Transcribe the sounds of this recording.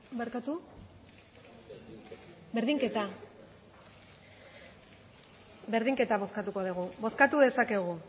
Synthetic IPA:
beɾkat̪u | be̞ɾðiŋke̞t̪a | be̞ɾðiŋke̞t̪aβo̞skat̪uko̞ðuɣ̞uβo̞skat̪uðe̞sake̞ɣu

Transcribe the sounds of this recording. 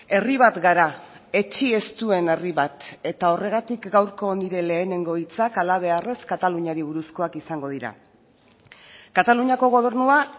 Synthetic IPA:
e̞riβ̞at̪ɡaɾae̞t͡ʃie̞st̪ue̞ne̞riβat̪e̞t̪ao̞re̞ɣ̞at̪ikɡawɾko̞niɾe̞le̞ːne̞ŋɡo̞it͡sakalaβ̞e̞are̞skat̪aluɲaɾiβuɾusko̞akisaŋɡo̞ð̞iɾa̰ | kat̪aluɲako̞ɣ̞o̞β̞e̞ɾnua

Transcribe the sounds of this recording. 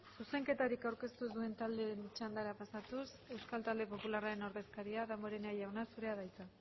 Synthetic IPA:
suse̞ŋke̞t̪aɾikawɾke̞st̪uzðue̞nt̪ald̪e̞nt͡ʃand̪aɾapasat̪us | e̞wskalt̪ald̪e̞po̞pularaɾe̞no̞ɾðe̞skaɾiaðamoɾeneajawnasuɾe̞aðajt͡sa

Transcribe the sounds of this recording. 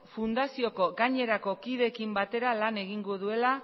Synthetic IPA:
fund̪asio̞ko̞ɣaɲe̞ɾako̞kiðe̞kimbat̪e̞ɾalane̞ɣ̞iŋɡoð̞ue̞la

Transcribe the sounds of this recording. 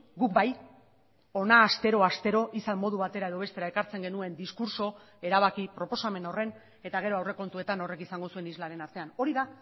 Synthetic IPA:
ɡuk̚baj | o̞naːst̪e̞ɾo̞ast̪e̞ɾo̞ʔisalmo̞ð̞uβat̪e̞ɾae̞ðoβ̞e̞st̪e̞ɾae̞kaɾt͡se̞ŋɡe̞nue̞nd̪iskuɾso̞ | e̞ɾaβ̞akipɾo̞po̞same̞no̞re̞n | e̞t̪aɣ̞e̞ɾo̞awre̞ko̞nt̪ue̞t̪ano̞re̞kisaŋɡo̞sue̞nizlaɾe̞naɾt̪e̞ano̞ɾiða

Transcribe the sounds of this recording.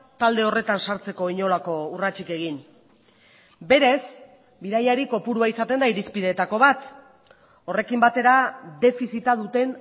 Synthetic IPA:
t̪ald̪e̞o̞re̞t̪ansaɾt͡se̞ko̞iɲo̞lako̞urat͡ʃike̞ɣin | be̞ɾe̞s | biðajaɾiko̞puɾuaisat̪e̞nd̪aiɾispiðe̞ːt̪ako̞βat̪ | o̞re̞kimbat̪e̞ɾaðe̞fisit̪að̞ut̪e̞n

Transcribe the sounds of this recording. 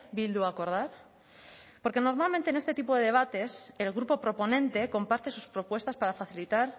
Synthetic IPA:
bild̪uako̞ɾð̞aɾ | po̞ɾkeno̞ɾmalmẽnt̪ene̞st̪e̞t̪ipo̞ðe̞ðe̞β̞at̪e̞selɣɾupo̞pɾo̞po̞nẽ̞nt̪e̞ko̞mpaɾt̪e̞su̥spɾo̞pwe̞st̪aspaɾafaθilit̪aɾ

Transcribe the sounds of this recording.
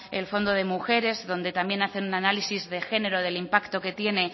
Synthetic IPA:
elfo̞nd̪o̞ðe̞muxe̞ɾe̞zðo̞nd̪e̞t̪ambje̞naθe̞nunanalisizðe̞xe̞ne̞ɾoðe̞limpakt̪o̞ke̞t̪je̞ne̞

